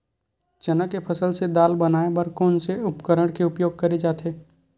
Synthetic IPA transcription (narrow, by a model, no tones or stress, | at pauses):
t͡ʃɐnəkːepʰɐsəlsed̪aːlbɐnaːebɐɾkɔːnseʊpkəɾəɽ̃keʊpjoːɡ̚kɐɾed͡ʒaːt̪eː